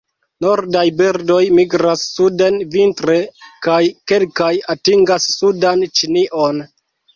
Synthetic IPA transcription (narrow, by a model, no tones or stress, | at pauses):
no̞ɾdajbeɾdo̞jmiɡɾasːude̞nvintɾe̞kajke̞lkajatiŋɡasːudant͡ʃiniʔo̞n